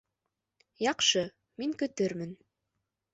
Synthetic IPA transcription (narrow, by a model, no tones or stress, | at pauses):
jɑqʃɤ | miŋkɵ̆t̪ɘɾmɘn